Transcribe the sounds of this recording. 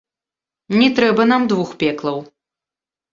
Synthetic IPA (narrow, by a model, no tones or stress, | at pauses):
nʲɛt̪ɾɛbɐnamd̪vuxpʲɛklˠɐw